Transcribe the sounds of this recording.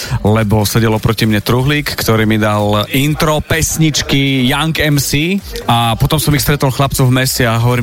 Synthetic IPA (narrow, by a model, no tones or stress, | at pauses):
lɛbɔsɛɟɛlɔpɾɔcimɲɛt̪ɾuɦliːkːt̪ɔɾiːmid̪alint̪ɾɔpɛsɲit͡ʃkijaŋkɛmsiapɔt̪ɔmsɔmixst̪ɾɛt̪ɔlxlap̚t͡sɔvmɛsɛaɦɔʋɔɾi